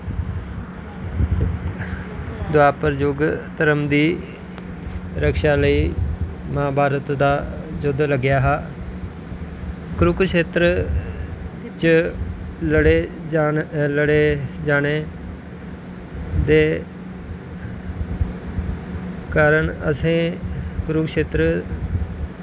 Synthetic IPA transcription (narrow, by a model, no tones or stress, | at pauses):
d̪ʊaːpəɾd͡ʒʊɡt̪əɾəmd̪iː | ɾəkʃaːləiː | mãːbʱaːɾət̪d̪aːd͡ʒʊd̪ləɡɪjaːɦaː | kɾʊkʃeːt̪ɾə | t͡ʃə | ləɽeː | ləɽeːd͡ʒaːneː | d̪eː | kaːɾəɳəsẽːkɾʊkʃeːt̪ɾə